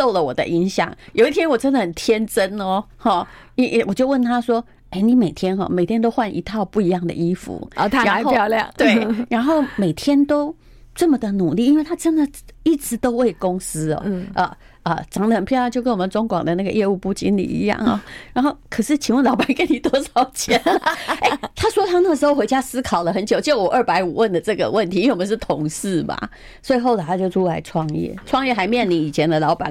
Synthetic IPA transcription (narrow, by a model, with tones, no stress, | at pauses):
so˥˩ʊlə˨˩wɔ̰˨˩d̪ə̰˦ʔi˧˥ŋɕjɑ̰˨˩ŋjo˨˩i˥t̪ʰjɛ˥nwɔ˨˩ʈ͡ʂə˥nd̪ə˨xə˨˩nt̪ʰjɛ˥nʈ͡ʂə˥nɔ˧xɔ˥˩ | i˥ʔwɔ˨˩t͡ɕjo˥˧wə˥˩nt̪ʰa˥ʂwɔ˥ | e˥˩ɪni˨˧˦me˨˩ɪt̪ʰjɛ˥nxɔ̰˥˩me˨˩ɪt̪ʰjɛ˥nt̪o˥ʊxwa˥˩nʔḭ˧˥t̪ʰɑ˥˧ʊpu˥˩i˧˥jɑ˥˩ŋd̪ə̰˩ʔi˥fṵ˨˦˧ɻa˧˥xo˥˧˥ljɑ̰˥˨˩ŋt̪we˥˩ɪɻa˧˥nxo˥˩ʊme˨˩ɪt̪ʰjɛ˥nt̪o˥ʊ | ʈ͡ʂə˥˩mə˨d̪ə˨nu˨˩li˥˩i˥nwe˥˩ɪt̪ʰa˥ʈ͡ʂə˥nd̪ə˨i˥˩ʈ͡ʂɹ̩˧˥t̪o˥ʊwe˥˩ɪkʊ˥ŋsɹ̩˥ɔ̰˨˩ʔə̰˨˩ | ə˧˩ʈ͡ʂɑ˧˥ŋə˧ə˨˩npʰjɛ˥˧na˥˧t͡ɕjo˥˧ʊkə˧˥nwɔ˨˩mə˨˦nʈ͡ʂʊ˥ŋkwɑ̰˨˩ŋd̪ə˦na˥˩ɡə˩jɛ˥˧u˥˧pu˥˩t͡ɕi˧˥nlḭ˨˩ḭ˧˥jɑ̰˥˩ŋɔ̰˨˩ɻa˧˥nxo˥˩ʊkʰɤ˨˩ʂɻ̩˥˩t͡ɕʰi˨˥nwə˥˩nlɑ˧˥ʊpa˨˩n˥ke˥ɪni˨˩t̪wɔ˥ʂɑ˨˩ʊt͡ɕʰjɛ˧˥nnə˩e˥˩t̪ʰa˥ʂwɔ˥t̪ʰa˥ʊna˥˩əʂ̩˧xo˥˧ʊxwe˧˥ɪt͡ɕja˥sɹ̩˥kʰɑ˨˩ʊd̪ə˦xə˧˥nt͡ɕjo˨˩ʊt͡ɕi˥o˧˩wɔ˨˩ʔə˞˥˩pa˧˥ɪu˨˩wə˥˩nd̪ə˩ʈ͡ʂɤ˥˩ɡə̰˩wə˥˩nt̪ʰi˨˧i˥we˥˧wɔ˨m˧˦ʂ̩˥˩t̪ʰʊ˧˥ŋsɹ̩˥˩ma̰˩ | swɔ˥˧˨ɪxo˥˩ʊd̪ə˨˩t̪ʰa˥t͡ɕjo˥˧ʊʈ͡ʂʰu˥la˧˥ɪʈ͡ʂʰwɑ˥˧ŋjɛ̰˥˩ʈ͡ʂʰwɑ˥˧ŋjɛ˥˩xa˧˥ɪmjɛ˥˩nli˧˥ni˨˩t͡ɕʰjɛ˧˦˥nd̪ə˨lɑ˧˥ʊpa̰˨˦